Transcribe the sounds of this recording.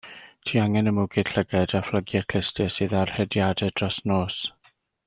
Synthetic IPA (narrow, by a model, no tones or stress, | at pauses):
tʰiːaŋɛnəmʊɡɪd̥ɬəɡɛdafləɡjɛkʰl̥ɪstʰɪsɨːðarhɛdjadɛd̥rɔsnoːs